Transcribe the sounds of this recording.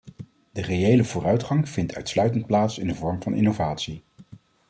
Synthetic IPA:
d̥ərejejləvʊːrœɥtχɑŋv̥ɪntʰœ̰ɥtslœɥtənt̚plaːtsɪndəvɔɹmvɑnʔɪ̰nowvaːtsi

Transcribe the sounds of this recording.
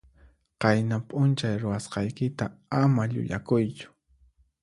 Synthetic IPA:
qɑjnapʼʊnt͡ʃajɾʊwasqɑjkɪt̪aamaʎʊ̰ʎa̰kʊjt͡ʃʊ̥

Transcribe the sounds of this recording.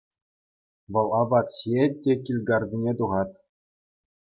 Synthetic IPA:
ʋɤ̆lˠɑbɑt̪ɕjet̚ʲːekʲilʲɡɑrdʲinʲet̪uʁɑt̪

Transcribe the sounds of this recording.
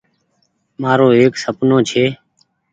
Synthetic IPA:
maːɾoːeːksəpnõːt͡ʃʰeː

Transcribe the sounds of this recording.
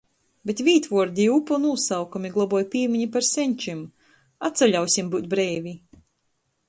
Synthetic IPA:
bʲet̪vʲiːt̪vɔɔɾd̪ʲiupɔnuːsawkumʲiɡlˠɔbɔjpʲiːmʲiɲipaɾsʲɛɲʲt͡ʃim | at̪sɛlʲawsʲimbuːt̪̚ʲbɾɛːvʲi

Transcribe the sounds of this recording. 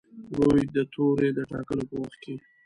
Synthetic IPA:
ɾojd̪ət̪ʰoɾed̪əʈɑkəlopəwaxt̪̚kʰe

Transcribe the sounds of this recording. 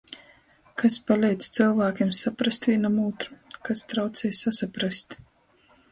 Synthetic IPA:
kaspalʲɛjt̪sʲt̪sɨlˠvaːkʲemsapɾast̪vʲinamuːt̪ɾu̥kast̪ɾawt̪sɛjsasapɾast̪

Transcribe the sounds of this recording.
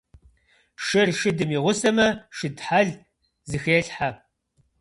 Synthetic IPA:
ʂɪrʃɪdɨmiːʁʷʊsɐmɐʃɪdħaɮ | zɨxeːɬħa

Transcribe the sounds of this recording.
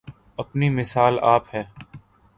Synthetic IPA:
ɐpnimɪsaːla̰ːphɛː

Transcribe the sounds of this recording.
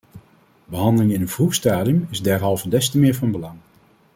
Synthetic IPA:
bəɦɑndəlɪŋɪnənvruχstaːdiəmɪzdɛɹɦɑlˠvədɛstəmɪːɹvɑnbəlɑŋ

